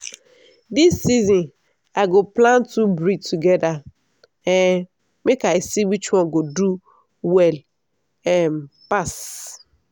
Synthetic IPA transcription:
disːizɔ̃n | aɪɡoplãntubɾitʰuɡɛda | ɛ | mekaisiwit͡ʃwɔ̃nɡodu | wɛl | ɛmpas

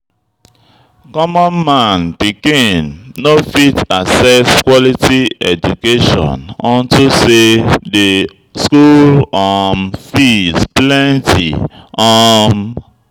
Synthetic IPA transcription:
kɔmɔ̃nmãnb̥iɡẽnːofitasɛskwɔlitiɛd͡ʒukeʃɔ̰̃nɔ̃ntusede | skulɔmfisplɛ̃ntʰḭɔm

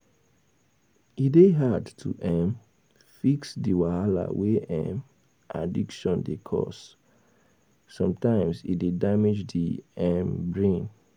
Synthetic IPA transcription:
ideɦadtʰuʔɛ̃m | fiksdiwahala̰weʔɛ̰̃m | ʔadikʃɔ̃ndekʰɔ̰s | ɔ̃mtãɪ̃msḭdedamid͡ʒdiɛmbɹẽn

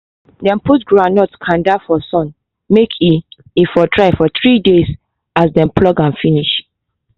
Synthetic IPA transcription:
dɛ̃mputɡɹãnɔtkʰãndafɔsɔ̃n | mekʰi | ifɔtɹaɪfɔθɹides | asdɛ̃mpʰlɔɡãnfiniʃ

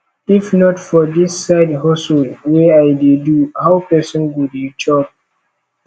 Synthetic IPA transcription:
ifnɔtfɔdisːaɪdhɔsɔlweajdeduhawpɛsɔ̃nwudit͡ʃɔp̚

